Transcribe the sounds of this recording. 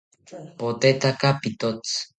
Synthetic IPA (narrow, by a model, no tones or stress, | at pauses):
pot̪et̪akapit̪ot͡s